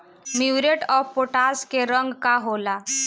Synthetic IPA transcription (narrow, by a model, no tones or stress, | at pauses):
miɾeʈɔfpoʈaskeɾəŋɡkaɦola